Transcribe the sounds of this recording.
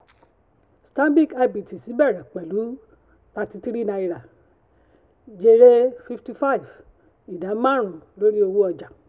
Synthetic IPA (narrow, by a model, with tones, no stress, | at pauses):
stã˦m˦bi˦˨ka˧bi˨ti˨si˨˦bɛ˦˨ɾa˨k͡pɛ˨lu˨˦ | ta˧ti˧ti˦ɾi˦nã˧i˧ɾa˨ | d͡ʒe˧ɾe˦fi˧fti˧fa˦i˨v | i˨dã˨˦mã˦ɾ̃ũ˨lo˦ɾi˦o˧wu˦ɔ˧d͡ʒa˨